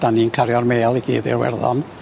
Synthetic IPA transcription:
d̥aniːnkʰaɾjɔrmeːlˠiɡʰḭːdḭrwɛ̰rðɔ̰n

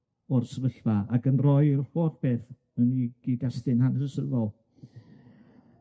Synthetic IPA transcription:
ɔrsəvəɬvaakənrɔjfɔrb̥eːθ | əniɡ̥idastɨnhansəsəðɔlˠ

